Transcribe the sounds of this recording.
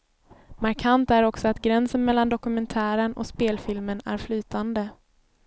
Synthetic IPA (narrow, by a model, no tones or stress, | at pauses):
maɾkʰant̪æɾɔksɔat̪ɡɾɛnsənmɛlːand̪ɔkɵmɛnt̪ʰæːɾənɔ̰speːlfɪlmənæ̰ɾflyːt̪and̪ə